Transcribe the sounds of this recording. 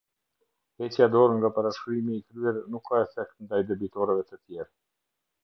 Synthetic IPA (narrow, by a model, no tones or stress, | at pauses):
hɛtjad̪ɔɾŋɡapaɾaʃkɾimiːkɾyɛɾnukʰːaɛfɛk̚t̪nd̪ajd̪ɛbit̪ɔɾɛvɛt̪ət̪jɛɾa